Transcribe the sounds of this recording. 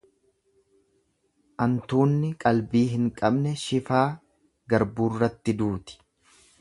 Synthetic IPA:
ʔɐnt̪uːnːɪkʼɐlbiːɦɪŋkʼɐbnɛʃɪfaː | ɡɐɾbuːrːɐt̪ːɪd̪uːt̪ɪ̥

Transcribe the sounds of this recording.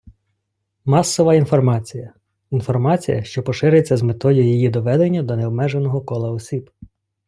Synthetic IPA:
mɑsːɔʋɐinfɔrmɑt͡sʲijɐ | infɔrmɑt͡sʲḭjɐ̰ʃt͡ʃɔpɔʃɪɾet͡sʲːɐzmet̪ɔjjijid̪ɔʋɛd̪enʲːɐd̪ɔneɔbmɛʒenɔɦɔkɔlˠɐɔsʲib

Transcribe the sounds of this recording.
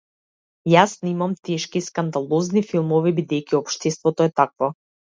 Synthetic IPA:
jasnimamt̪ɛʃkiskand̪alˠɔznifilˠmɔvibid̪ɛjkiɔpʃt̪ɛst̪vɔt̪ɔɛt̪akvɔ

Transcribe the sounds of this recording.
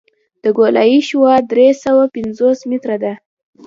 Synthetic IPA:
d̪̥əɡolɑjiʃwɑd̪ɾesawapɪnzosmit̪ɾad̪a

